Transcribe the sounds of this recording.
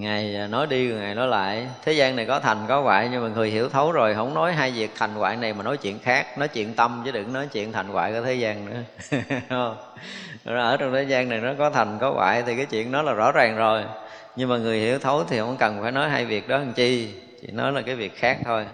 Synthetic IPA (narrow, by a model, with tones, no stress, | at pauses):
ŋa˨˩jnɔ˨˦jɗi˧˩ŋa˨˩jnɔ˨˦jla̰ː˧˨jt̪ʰe˨˦zaː˧na˨˩jkɔ˨˦t̪ʰa˨˩jŋ̟kɔ˨˦wa̰ː˧˨jɲɨ˧ŋmaː˨˩ŋɨ˨˩əjɦḭ˧˩əwt̪ʰə˨˦wzo˨˩jɦə̰˧˥wŋ͡mnɔ˨˦jɦaː˧jvi˨˩ək̚t̪ʰa˨˩jŋ̟kwa̰ː˧˨jna˨˩jmaː˨˩nɔ˨˦jt͡ɕwḭ˧˨ənxaː˦˥k̚nɔ˨˦jt͡ɕḭ˧˨ənt̪ə˧mt͡ɕɨ˧˦ɗɨ˨˩k̚nɔ˨˦jt͡ɕḭ˧˨ənt̪ʰa˨˩jŋ̟kwa̰ː˧˨jkɔ˨˧˩t̪ʰe˨˦zaː˧nnɨ̰˧˥ə | ə˧wŋ͡m | n˦əː˧˩t͡ɕɔ˧wŋ͡mt̪ʰe˨˦zaː˧nna˨˩jnɔ˨˦kɔ˨˦t̪ʰa˨˩jŋ̟kɔ˨˦ɣwa̰ː˧˨jt̪ʰi˨˩kaː˨˦jt͡ɕwḭ˧˨ənnɔ˨˦jlaː˨˩zɔ̰˧˥zaː˨˩ŋzo˨˩j | ɲɨ˧ŋmaː˨˩ŋɨ˨˩əjhḭ˧˩˥əwt̪ʰə˨˦wt̪ʰi˨˩hə˧˥wŋ͡mkə˨˩nfaː˧˩jnɔ˨˦jɦaː˧jvi˨˩ək̚ɗɔ˨˦hə˨˩ŋt͡ɕi˧ | t͡ɕḭ˧˨ənːɔ˨˦jlaː˨˩kaː˨˦jvi˨˩ək̚xaː˦˥k̚t̪ʰo˧j